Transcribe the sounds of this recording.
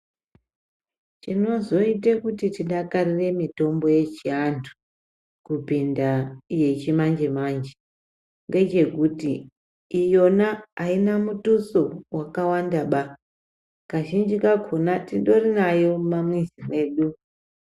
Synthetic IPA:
t͡ʃino̞zo̞itekutitiɗakarire̞mito̞mbo̞je̞t͡ʃiantʰu̥ | kupindaje̞t͡ʃimand͡ʒe̞mand͡ʒe̥ | ŋɡe̞t͡ʃe̞kutiː | jo̞naainamutuso̞wakawandaɓa | kaʒind͡ʒikakʰonatiɗo̞rinajo̞mamwizime̞ːɗu

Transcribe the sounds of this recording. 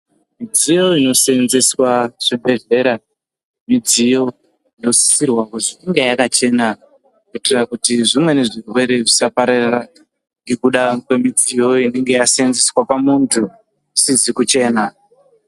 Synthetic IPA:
mid͡zijo̞ino̞senze̞swaʐ̥ibʱe̞ɮe̞ɾa | mid͡zijo̞ | ino̞si̥sirwakuziiŋɡejakat͡ʃe̞na | kuitirakutiʐimwe̞ne̞ʐirwe̞ɾe̞ʐisapaɾarra | ŋɡekuɗakwe̞mid͡zijo̞ine̞ŋɡe̞jaseenzeswapamuntʰu | sizikut͡ʃe̞ːna

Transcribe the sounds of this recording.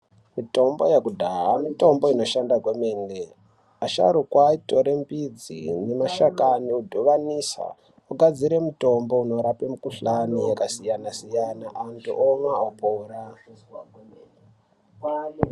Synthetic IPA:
mito̞mbo̞̰jekudʱaɦamito̞mbo̞ino̞ʃandakwemeːnɡe | aʃa̰ɾukwaito̞ɾe̞mbid͡zḭnemaʃakaniudʱoʋanisa̰ | uɡad͡ziɾemuto̞mbo̞uno̞ɾapemukuɬanijekasijanasijanaʔantṵʔomwaopoːɾa

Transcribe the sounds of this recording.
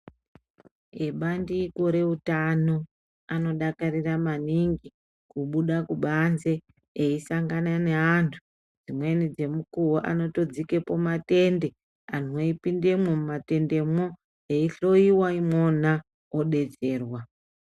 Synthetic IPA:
eɓandikoɾe̞utano̞ | ano̞ɗakariramaniŋɡi | kuɓuɗakuɓanze̞ː | isaŋɡanane̞antʰu̥ | d͡zimwe̞nid͡ze̞mukuwoʔa̰no̞to̞d͡zike̞po̞mate̞nde̞ | anoipinde̞mwemumate̞nde̞mo | eiɬo̞iwaimwo̞na | oɗe̞t͡se̞ːrwa

